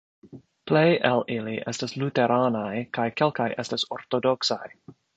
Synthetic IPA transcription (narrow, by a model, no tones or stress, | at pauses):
plejʔeliliʔɛstasluteɾʔaːnajkajkɛlkajʔɛstasoɾt̪odoksaj